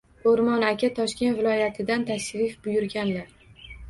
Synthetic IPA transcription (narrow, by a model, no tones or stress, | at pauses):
oɾmɒnakʲʰat̪ʰɒʃkʲe̞nt̪vɪlˠɒjat̪ʰɪd̪ant̪ʰaʃɾɪfbʊjʊɾɡʲanlaɾ